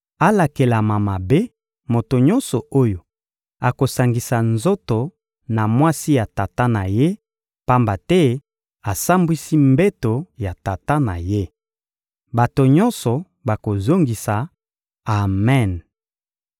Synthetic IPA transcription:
a˦la˨ke˨la˨ma˨ma˨be˦ | mo˨to˨ɲɔ̃˦nsɔ˨o˦jo˨ | a˨ko˨sa˨ŋɡi˨sa˨nzo˦to˨ | na˨mwa˦si˦ja˨ta˨ta˦na˨je˦ | pa˦mba˨tɛ˦ | a˨sa˦mbwi˦si˦mbe˦to˨ja˨ta˨ta˦na̰˨je˦ | ba˨to˨ɲɔ̃˦nsɔ˨ | ba˨ko˨zo˦ŋɡi˨sa˨ | a˨mɛ˦˨n

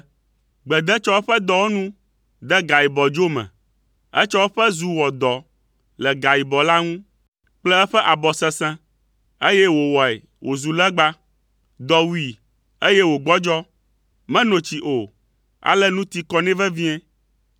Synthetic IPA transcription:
ɡ͡bɛ˨d̪ɛ˦t͡ʃɔ˦wo˦ɸɛ˦d̪ɔ˦wo˦nũ˦ | d̪ɛ˦ɡa˨ji˨bɔ˨d͡ʒo˦mɛ̰̃˨ | ɛ̰˦t͡ʃɔ˦wo˦ɸɛ˦zu˨wɔ˨d̪ɔ˨ | lɛ˨ɡa˨ji˨bɔ˨la˦ŋũ˦ | k͡plɛ˦ɛ˦ɸɛ˦ʔa˨bɔ˨sɛ˦sɛ̃˦ | e˦jɛ˦wo˨wɔ˨ɛ̰˨ | wʔo˨zu˨lɛ˦ɡ͡ba˦ | d̪ɔ˨wu˦i˨ | e˦jɛ˦wo˨ɡ͡bɔ˦d͡ʒɔ˦ | mɛ̃˦nõ˨t͡ɕi˨ʔo˨ | a̰˨lɛ˦nũ˦t̪i˦kɔ˦nɛ̃˦vɛ˦vĩ˦ɛ̃˦

